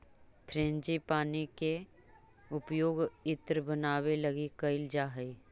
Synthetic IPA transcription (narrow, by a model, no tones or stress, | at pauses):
t̪ʰɾẽːnd͡ʒipaːnike | ʊpjoːɡɪt̪ɾbənaːwelɐɡikɐɪld͡ʒaːɦəi